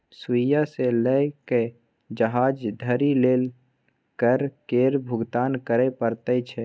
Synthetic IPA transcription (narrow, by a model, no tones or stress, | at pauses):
sijaseləke | d͡ʒəɦaːd͡ʒd̪ʱəɾileːl | kəɾkeɾbʱʊɡt̪aːnkəɾepəɾt̪ɛt͡ʃʰɛ